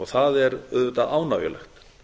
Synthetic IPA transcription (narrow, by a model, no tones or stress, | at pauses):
ɔɣθaðɛɾœðvʏt̪aðaːwnavjɛ̰lɛ̰xt̪